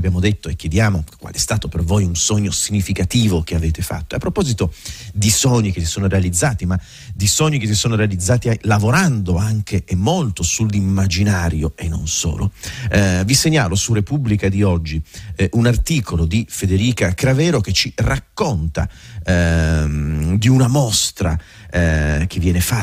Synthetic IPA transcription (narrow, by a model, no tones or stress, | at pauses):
bjaːmod̪et̪ːoekːjed̪jaːmokwa̰lɛɛst̪aːt̪opervojunsoɲːosiɲːifikat̪iːvokeaveːt̪efa̰t̪ːoapːɾopɔːzit̪od̪isoɲːik̟esi̥soːnoɾealid̪zːaːt̪ima | d̪isoɲːikesisoːnoɾealid̪zːaːt̪ilavoɾand̪oaŋkʰeʔemːolt̪osulːimːad͡ʒinaːɾjoenːo̰nso̰ːlo̰ | viseɲːaːlosurepublikad̪iɔd͡ʒːiʔunart̪iːkʰolod̪ifed̪eɾiːkakɾavɛːɾoket͡ʃirakːont̪a̰ | d̪iunamɔst̪ɾa̰ | k̟evːjɛːnefa